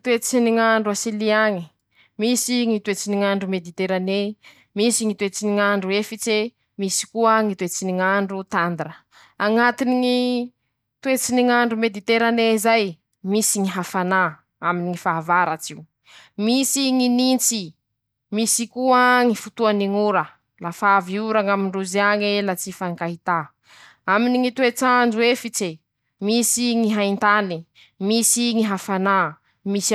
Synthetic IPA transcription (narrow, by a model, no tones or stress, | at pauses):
t̪uet͡siniŋaɳɖ͡ʐuasiliaŋi̥ | misiŋit̪uet͡siniŋaɳɖ͡ʐumed̪it̪eɾane | misiŋit̪uet͡siniŋaɳɖ͡ʐuefit͡se | misi̥kuəŋit̪uet͡siniŋaɳɖ͡ʐut̪and̪ɾə | aŋat̪iniŋi | t̪uet͡siniŋaɳɖ͡ʐumed̪it̪eɾaneizaj | misiŋiɦafana | aminiŋifavaɾat͡siw | misiŋinint͡si | misikuaŋifut̪uaniŋuɾə | lafaviuɾaŋamiɳɖ͡ʐuziaŋelat͡sifaŋkaɦit̪a | aminiŋit̪uet͡sand͡ʒuefit͡se | misiŋiɦaint̪ani | misiŋiɦafana | mis